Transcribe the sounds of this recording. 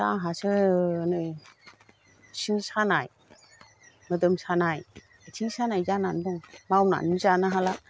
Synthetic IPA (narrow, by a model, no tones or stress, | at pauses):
aɦasɯnɯ | sʰiŋsanaj | mɯdɯmsanaj | tʰiŋsanajzananbɔŋmawna̰nɯzanaɦala